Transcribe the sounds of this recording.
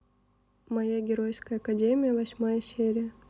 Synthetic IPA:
mɐjaɡʲɪɾojskəjəɐkɐdʲemʲɪjəvɐsʲmajəsʲeɾʲɪjə

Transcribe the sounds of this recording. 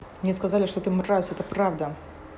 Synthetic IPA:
mnʲɛskazalʲɪʂt̪ot̪ɨmrasɛt̪əpɾavd̪ɐ

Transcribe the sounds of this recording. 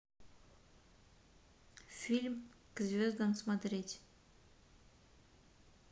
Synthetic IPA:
fʲilʲmkzʲvʲozd̪ənsmat̪ɾʲet̪ʲ

